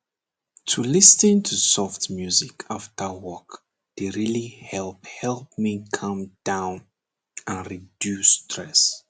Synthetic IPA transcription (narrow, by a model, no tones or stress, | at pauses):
tʰulɪsĩntʰusɔftmjuzikʰaftʰəwɔk | d̥eɹilihɛlˠphɛlˠp̚mikʰʌ̃md̥ãʊ̃n | ãnɹidjustʰɹɛs